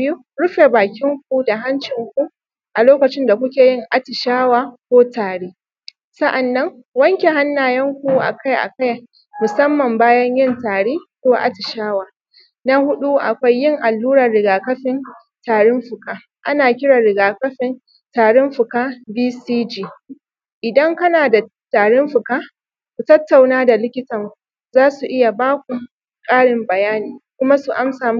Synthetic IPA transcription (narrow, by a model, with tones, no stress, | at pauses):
bɪ˦ju˦ | ɽʊ˦ɸe˨baː˨kʲɪ˦ŋk̚ʷu˦da˨ɦa˦nt͡ʃɪ˨ŋkʷu˦ | ʔa˨loː˦kɐ˨t͡ʃɪ˦nda˨kʷʊ˦kʲeː˨jɪ˦ŋʔa˦tɪ˨ʃaː˦waː˨kʷoː˦taː˨ɽeː˦ | sɐ˦ʔa˨nːɐ˦ŋ | wɐ˦ŋkʲe˨ɦa˦nːaː˨jɐ˦ŋkʷu˨ʔa̰˨ka˦jʔa̰˨ka˦j | mʊ˨sɐ˦mːɐ˨mbaː˦jɐ˦ɲjɪ˦ntaː˨ɽeː˦kʷoː˦ʔa̰˦tɪ˨ʃaː˦waː˨ | na˦hʊ˦ɗu˦ʔa̰˨kʷa˦jːɪ˦˨ŋʔa˨lːuː˦ɽɐ˨rɽɪ˨ɡaː˨kɐ˦ɸɪ˨n | taː˨ɽʊ˦mɸʊ˨kaː˦ | ʔa˦naː˨kʲɪ˦ɽa˨ɽɪ˨ɡaː˨kɐ˦ɸɪ˨n | taː˨ɽʊ˦mɸʊ˨kaː˦biː˦siː˦d͡ʒiː˦ | ʔɪ˨dɐ˦ŋkɐ˦naː˨da˨ | taː˨ɽʊ˦mɸʊ˨kaː˦ | kʷu˨tɐ˦tːa˨wnaː˦da˨lɪ˦kʲɪ˦tɐ˨ŋʷu˨ | zaː˦su˨ʔɪ˦ja˨baː˦kʷu˨ | kʼaː˦ɽɪ˨mbɐ˨jaː˦niː˨kʷʊ˦ma˦su˨ʔa˦msaː˨m˦